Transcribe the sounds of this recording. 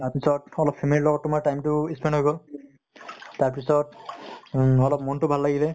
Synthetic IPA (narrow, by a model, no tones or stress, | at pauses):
taɹpisɔtɔlɔpʰemililɔɡɔtːʊmaɹʈajmtʊispɛnɖɦojɡɔl | taɹpisɔt | ɔlɔpmɔntʊbʱalːaɡilɛ